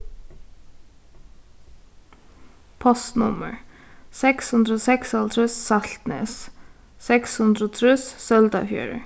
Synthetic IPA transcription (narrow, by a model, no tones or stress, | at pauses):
pʰɔst̪nʊ̰mə̰ɹ | sɛkshʉnd̪ɾəoːsɛksɑlt̪ʰɾʉssɑɬt̪nḛːs | sɛkshʉnd̪ɾəoːt̪ʰɾʉssœld̪ɑ̰fjø̰ːɹə̰